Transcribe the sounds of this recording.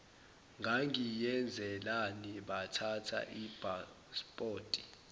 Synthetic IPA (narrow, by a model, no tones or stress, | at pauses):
ŋʱaŋijɛnd͡zʱɛlaniɓatʰatʰa̰ʔib̥ʱa | spʼoːtʼi̥